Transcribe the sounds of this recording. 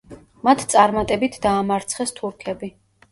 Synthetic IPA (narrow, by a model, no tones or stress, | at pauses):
mat̪ʰt̪sʼaɾmat̪ʼɛbit̪ʰd̪aːmaɾt̪sʰχɛst̪ʰuɾkʰɛbi